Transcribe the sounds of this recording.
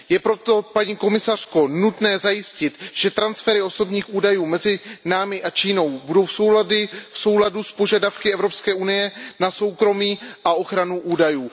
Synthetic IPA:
jɛpɾo̞t̪o̞paɲiːko̞mɪsar̝̥ko̞nut̪nɛːzajɪscɪt̪ʒ̥ɛt̪ɾansfɛɾɪo̞so̞bɲiːxuːdajuːmɛzɪnaːmɪʔat͡ʃiːno̞wbudo̞wfsowdɪfso̞wladuspo̞ʒadafkɪɛvɾo̞pskɛːʔunɪjɛnaso̞wkɾo̞miːʔaʔo̞xɾanuʔuːdajuː

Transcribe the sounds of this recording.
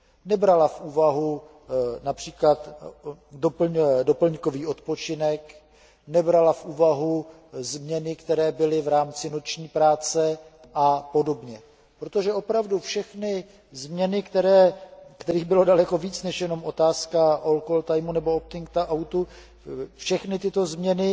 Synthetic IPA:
nɛbɾalafʔuːvaɦu | napr̥iːklat̪ | dop̩ɲdo̞pl̩ɲko̞viːo̞t̪po̞t͡ʃɪnɛk | nɛbɾalafʔuːvaɦu | zmɲɛnɪkt̪ɛɾɛːbɪlɪvɾaːmt͡sɪnot͡ʃɲiːpɾaːt͡sɛ | ʔapo̞do̞bɲɛ | pɾo̞t̪o̞ʒɛo̞pɾavdufʃɛxnɪ | zmɲɛnɪkt̪ɛɾɛːkt̪ɛɾiːɣbɪlo̞dalɛko̞viːt͡snɛʃjɛno̞mʔo̞t̪aːskaʔolkolt̪ajmunɛbo̞op̚t̪ɪŋk̚t̪aʔawt̪u | fʃɛxnɪt̪ɪt̪o̞zmɲɛnɪ

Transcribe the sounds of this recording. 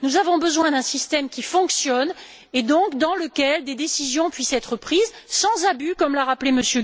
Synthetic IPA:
nuzavɔ̃bəzwɛ̃d̪ɛ̃sist̪ɛmkʲifɔ̃ksjɔn | ed̪ɔ̃kd̪ɑ̃ləkʲɛld̪ed̪esizjɔ̃pɥisɛt̪χəpχizsɑ̃zabykɔmlaʁapleməsjø

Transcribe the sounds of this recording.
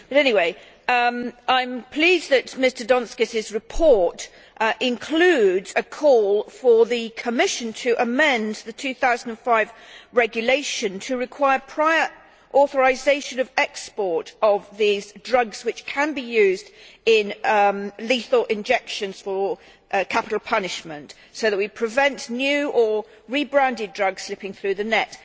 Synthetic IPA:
b̥ʌɾɛñiweɪ | ãɪ̃mpʰl̥izðɨtmɪstə˞dɑ̃nskɨsɪzɹɨpʰɔɹt | ʔɪ̃nkʰl̥ʉdz̥ɨkʰɔlˠfə˞ðɨkʰəmɪʃɨ̃ntʰɨʔəmɛ̃nðɨtʰʉθaʊzn̩də̃nfaɪvɹɛɡjɨleɪʃɨ̃ntʰɨɹɨkʰw̥aɪə˞pʰɹ̥aɪə˞ | ʔɔˑθəɹaɪzeɪʃɨ̃nʌvɛkspɔɹtəvðizdɹʌɡz̥wɨt͡ʃkʰə̃nbijʉːzdɪ̃n | liθəʔɪ̃nd͡ʒɛkʃə̃nz̥fə | ʔkʰapɪɾˡl̩ˠpʰʌnɪʃmə̃nt | soʊðəʔ̚wipʰɹ̥ɨvɛ̃ntnjʉʔə | ɹibɹæ̃ndɪdɹʌɡz̥slɪpɪ̃ŋθɹʉðɨnɛt

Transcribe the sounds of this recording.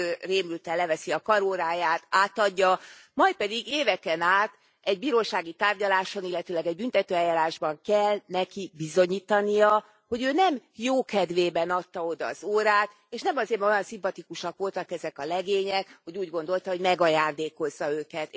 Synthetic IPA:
øreːmlyt̪ɛlːɛvɛsiɒkɒɾoːɾaːjaːt̪aːt̪ɒɟːɒmɒjt̪̚pɛd̪iɡeːvɛkɛnaːt̪ | ɛɟ̚biːɾoːʃaːɡit̪aːrɟɒlaːʃonilːɛt̪øːlɛɡɛɟ̚bynt̪ɛt̪øːɛjːaːɾaːʒbɒŋkɛlnɛkibizo̞ɲiːt̪ɒnijɒ | ho̞ɟøːnɛmjoːkɛd̪ʋeːbɛnɒt̪ːɒo̞d̪ɒːz̥oːɾaːt̪ | eːʃnɛmɒzeːɾmojɒnsimpɒt̪ikuʃɒkʋo̞lt̪ɒkɛzɛkɒlɛɡeːɲɛkho̞ɟuːɟɡo̞nd̪o̞lt̪ɒɦo̞ɟmɛɡɒjaːnd̪eːko̞zːɒøːkɛt̪

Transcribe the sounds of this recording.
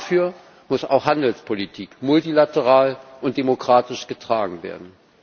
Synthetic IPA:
fyːɐ | mʊsa̰ʊxhandl̩spʰolitʰiːkmʊltilatəʁaːlʔʊnt̚d̥emokʁ̥aːtɪʃɡ̥ətʁ̥aːɡŋ̩vḛːɐdn̩

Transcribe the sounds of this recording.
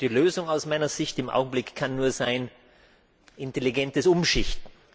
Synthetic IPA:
d̥iːløːzʊŋaʊsmaɪnɐz̥ɪçtɪmʔa̰ʊɡŋ̩blɪkkʰːanːuːɐzaɪn | ʔɪnteliɡɛntəsʊmʃɪçtn̩

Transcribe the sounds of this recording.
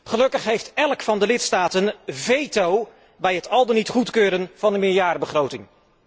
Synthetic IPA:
χəlɵkəχɦejftɛlˠkfɑndəlɪtstaːtənvejtow | bɛjɦətɑlˠdənitχutkøːɾənv̥ɑndəmɪːɹjaːɾəbəχrowtɪŋ

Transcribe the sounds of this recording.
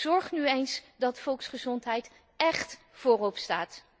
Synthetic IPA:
zɔɹχnyejnsdɑtfɔlˠksχəzɔntɦɛjt | ɛχt | fʊːrɔpstaːt

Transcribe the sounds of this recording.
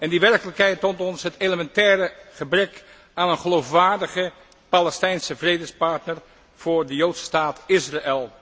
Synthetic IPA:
ɛndiʋɛrkələkɦɛjtːɔntɔnsɦətejləmɛntɛːɾəχəbrɛk | aːnənχəlowfʋaːɹdəχə | palɛstɛjnsəvrejdəspɑɹtnəɹ | v̥ʊːɹdəjowtsstaːtɪsraʔɛlˠ

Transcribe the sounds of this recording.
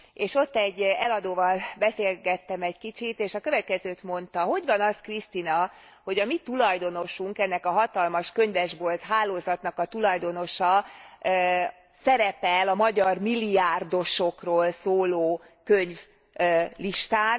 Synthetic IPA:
eːʃo̞t̪ːɛɟːɛlɒd̪oːvɒlbɛseːlɡɛt̪ːɛmɛɟkit͡ʃit̪eːʃɒkøvɛt̪̚kɛzøːt̪mo̞nt̪ɒɦo̞ɟvɒnɒskrist̪inɒ | ho̞ɟɒmit̪ulɒjd̪o̞no̞ʃuŋkɛnːɛkɒɦɒt̪ɒlmɒʃkø̞ɲvɛʒbo̞lt̪ɦaːloːzɒt̪nɒkɒt̪ulɒjd̪o̞no̞ʃɒ | sɛɾɛpɛlɒmɒɟɒrmilːiaːrd̪o̞ʃo̞kroːlsoːloː | køɲv | liʃt̪aːn

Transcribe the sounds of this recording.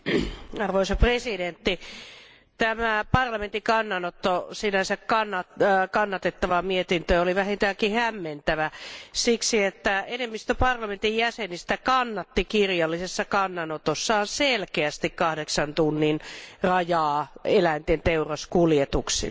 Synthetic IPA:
ɑrʋoisɑpresident̪ːi | t̪æmæpɑrlɑment̪ikɑnːɑnot̪ːosinæsækkɑnːɑkɑnːɑt̪et̪ːɑʋɑmiet̪int̪øoliʋæhint̪æːkihæmːent̪æʋæsiksiet̪ːæenemːist̪øpɑrlɑment̪ijjæsenist̪ækɑnːɑt̪ːikirjɑlːisesːɑkɑnːɑnot̪osːɑːnselkeæst̪ikkɑhdeksɑnt̪unːinrɑjɑːelæint̪ent̪eurɑskuljet̪uksḭ

